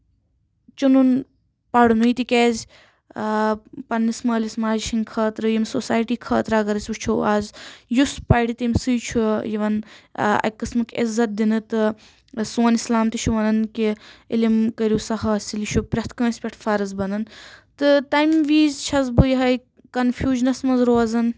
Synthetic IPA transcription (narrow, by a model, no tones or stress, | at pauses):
t͡ʃunun | pɐɽunuit̪ikʲeːzʲ | pɐnːismɐːlismaːd͡ʒʃʰinʲkʰɐːt̪ɾɨjimsosaːjʈiːkʰɐːt̪ɾaːɡɐɾɐsʲut͡ʃʰuaːzjuspajɽit̪imsɨjt͡ʃʰujiʋɐnɐ̰kːɨsmɨkʲḭzːɐt̪̚d̪inɨt̪ɨ | suːnislaːmt̪iʃʰuʋɐnɐnkʲiilimkɐɾʲjuːsɐɦɐːsiliʃʰupɾʲɐht̪kɐ̃ːnsʲpʲeʈʰfʰaːɾɨzbɐnɐnt̪ɨt̪ɐjmʋiːzt͡ʃʰɐzbɨjɦɐj | kɐnfʰjuːʒnɐsmɐzɾoːzɐn